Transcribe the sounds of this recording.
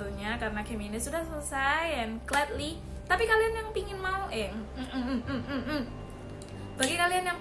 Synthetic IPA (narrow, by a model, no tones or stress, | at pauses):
uɲakaɾənakɛminissudahsələsajɛnklɛt̪̚li | t̪apikalianjaŋpiŋɪnmauʔɪŋm̩ | b̥aɡikalianjaŋ